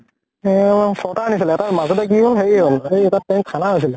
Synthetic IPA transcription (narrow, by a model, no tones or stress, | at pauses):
ɛsɔtaanisilɛtamazɔtɛk̬iɦolɦeiɦolejɛtatːɛ̃tʰanaɦojs̬ilɛ